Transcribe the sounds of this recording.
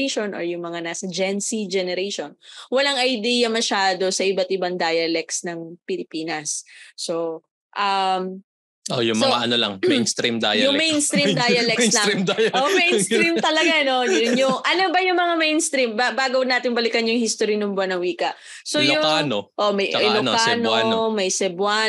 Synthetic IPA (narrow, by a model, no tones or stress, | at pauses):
ʃonʔo̰ɹjʊŋmɐŋanaːsɐd͡ʒɛnsid͡ʒɛnɛɾaʃonwɐlaŋɐjd̪ijɐmɐʃaːd̪o̞sɐʔɪbat̪ɪbaŋd̪aːjɐlɛk̚snɐŋpɪlɪpiːnɐsːo̞ | ʔɐm | ʔojʊŋmsoaʔɐ̰nolɐ̰ŋmɛjnst̪ɾimd̪a̰jɐjʊŋmɛjnst̪ɾid̪ajɐlɛklɐɾimd̪ajɐʔomɛjnstɾimt̪ɐlɐɡano̞jʊnjʊŋʔɐnobɐjʊŋmɐŋamɛjnst̪ɾimbabaːɡownaːt̪ɪŋbɐlɪkɐnjʊŋhist̪oɾinʊmbwɐnɐŋwiːkɐʔ | sojʊʊkanoʔo̞ʔmɐjʔɛlokanonomɐjsɛbwa